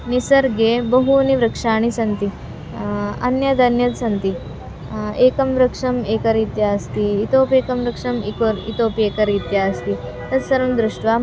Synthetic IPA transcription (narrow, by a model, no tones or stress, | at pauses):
nisɐɾɡebɐɦuniʋɾɐkʂaːɳ̃isɐnt̪i | ɐ̰njɐd̪ʱɐnjɐt̪sɐnt̪i | eːkɐmʋɾɐkʂɐmeːkɐɾit̪jaːst̪iːt̪oːpeːkɐmɾɐkʂɐmikoɾḭt̪oːpeːkɐɾit̪jast̪i | t̪ɐt̪sɐɾɐnd̪ɾuʂʈʋaː